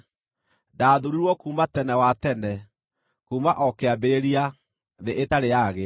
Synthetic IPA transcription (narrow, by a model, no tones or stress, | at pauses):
daðuɾiɾwɔkuːmatɛnɛwatɛnɛ | kuːmaʔɔkeabeɾeɾia | ðeʔetaɾejaɣe